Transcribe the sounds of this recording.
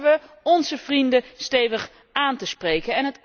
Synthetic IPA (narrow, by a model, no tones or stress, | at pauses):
ʋə | ɔnzəv̥rindəstejvəχ | aːntəsprejkənɛnɦət